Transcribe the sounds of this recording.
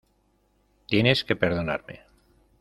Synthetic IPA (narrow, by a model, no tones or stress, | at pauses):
t̪je̞ne̞ske̞pe̞ɾðo̞na̰ɾme̞̰